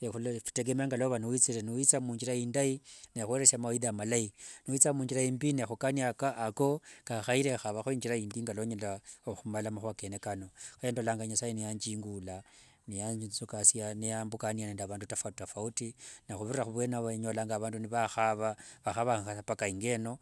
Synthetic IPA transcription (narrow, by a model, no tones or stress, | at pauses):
exulfi̥teɡemeŋɡaloβaniwit͡siɾeniwit͡samuːɲd͡ʒiɾaindainexweɾesamawiðamalainiwit͡samuːɲd͡ʒiɾaimbinexukaniakaːko̞kaxaiɾexaβaxoiɲd͡ʒiɾaiːndiŋɡaloɲelaoxumalamaxuakenekanoxajeːndolaːŋɡaɲasainijaɲd͡ʒiːŋɡula | nijasukasijanejambukanianendaβaːndutafatafautinaxuβiriɾaxuβwenaβaɲolaːŋɡaβaːnduniβaxaβaβaxaβaasapakaiŋɡe̞no̞